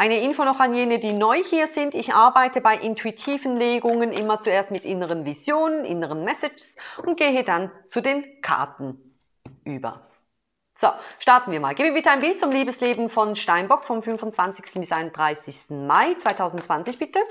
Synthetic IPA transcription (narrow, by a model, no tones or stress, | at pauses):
ʔaɪnəʔɪnfoːnɔχanjeːnədiːnɔʏhiːɐzɪntɪçʔaɐbaɪtəbaɪʔɪntʰuitʰiːvnleːɡʊŋənʔɪ̰mɐt͡sueːɐstmɪtʔɪnəʁənvizjoːnənʔɪ̰nəʁənmɛsɪd͡ʒsʊnt̚ɡ̥eːɦədant͡sudeːnkʰa̰ɐtn̩ | ʔyːbɐ̰ | z̥oʃtaɐtn̩viːɐma̰ːlɡ̥eːbmviːɐbɪtəaɪnmbɪlt̚t͡sʊmliːbəsleːbn̩fɔnʃtaɪnbɔkfɔmfʏnfʊnt͡sv̥ant͡sɪçstn̩bɪsʔaɪnʊnd̥ʁaɪsɪçstn̩maɪt͡svaɪtʰaʊzn̩tt͡sv̥ant͡sɪçb̥ɪtə